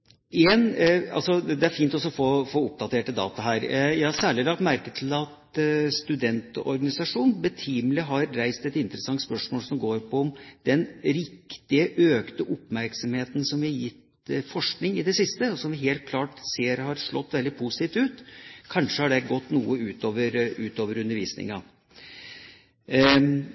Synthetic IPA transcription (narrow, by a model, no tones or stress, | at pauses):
ɛnɑ̰lsɔd̪ɛæɾfiːnt̪ɔsɔfoːfoːʊp̚d̪ɑt̪ʰeːʈːəd̪ɑ̰ːt̪ɑɦæːɾjæɪhɑsæːɭɪlɑk̚t̪mæɾkəʈ̪ʰɪlɑt̪ | st̪ʉd̪ɛnt̪ɔ̰ɾɡɑnɪsɑʂuːnbət̪ʰiːmlɪɦɑɾːæɪst̪ɛt̪ɪnt̪əɾəsɑŋt̪spœʂmoːlsɔmɡoːɾpʰɔɔmd̪ɛnɾɪkt̪ɪəʔøːkt̪əʔɔpmæɾksɑmheːt̪nsɔmʋɪhɑjɪt̪ | fɔʂknɪŋɪd̪ɛsɪst̪əɔsɔmʋɪɦeːlt̪̚kʰlɑːʈseːɾhɑɾʂɭɔ̰t̪ːʋɛld̪ɪpʰusɪ̥t̪iːft̪ʉːt̪kʰɑnʂəhɑɖɛɡɔt̪ːnuːəʉːt̪oːʋəɾʉːt̪oːʋəɾʉnd̪əɾʋiːsnɪ̰ŋɑ